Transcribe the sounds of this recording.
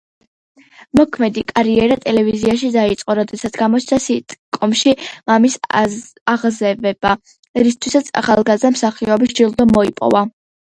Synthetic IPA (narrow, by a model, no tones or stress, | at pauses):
mɔkʰmɛd̪ikʼaɾiɛɾat̪ʼɛlɛviziaʃ̬id̪ait̪sʼqʼɔɾɔd̪ɛsat̪sʰɡamɔt͡ʃʰnasit̪ʼkʼɔmʃimamis | aʁzɛvɛba | ɾist̪ʰwisat̪sʰa̰χalˠɡazd̪amsaχiɔbisd͡ʒilˠd̪ɔmɔipʼɔ̰va